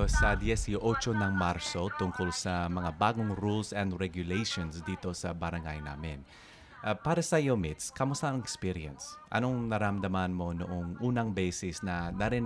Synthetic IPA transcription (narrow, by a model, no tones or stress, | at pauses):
sɐd̪iɛsiʔot͡ʃonɐŋmaɾso̞t̪ʊŋkolsɐmɐŋabaːɡoŋɾulsɛnd̪ɹɛɡjʊlejʃonsd̪iːt̪o̞sɐbɐɾɐŋɡa̰jna̰ːmɪn | ʔpaːɾɐsɐjomɪt̪skɐmʊsaʔɐŋɛkspiɾiɛ̰nsʔɐ̰no̞ŋnɐɾɐmd̪ɐmanmo̞nʊʔoŋʔuːnɐŋbɛsɪsnɐnɐɾin